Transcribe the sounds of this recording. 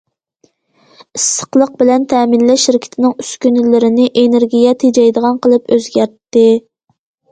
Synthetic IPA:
ɨsːə̥qlˠəq̚bɪlɛnt̪ʰɛminlɛʃːiɾkʲʰɪ̥t̪ʰɪnɪŋyskʲynɪlɪɾɪnɪʔeneɾɡʲijɛt̪ʰed͡ʒɛjd̪əʁɑnqəlˠɨpøzɡʲæɾt̪ːɪ

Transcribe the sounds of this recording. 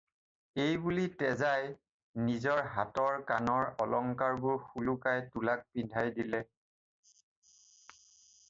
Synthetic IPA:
ejbulitɛzaj | nizɔɹɦatɔɹkanɔɹɔlɔŋkaɹbʊɹxulukajtulak̚pindʱajdilɛ

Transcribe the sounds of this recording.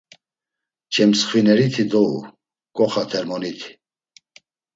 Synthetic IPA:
t͡ʃʰɛmsχwinɛɾit̪ʰid̪ɔṵ | kʼɔχat̪ʰɛɾmɔnit̪ʰi̥

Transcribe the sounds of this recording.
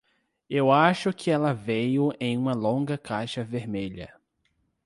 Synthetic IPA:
ewaʃʊkʰɪɛlɐvejʊẽj̃ũmɐlõɡɐkʰajʃɐveɾmeʎɐ̰

